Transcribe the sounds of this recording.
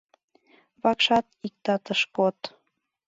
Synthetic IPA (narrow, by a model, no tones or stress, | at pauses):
βɑkʃɑt̪ik̚t̪ɑt̪əʃkot̪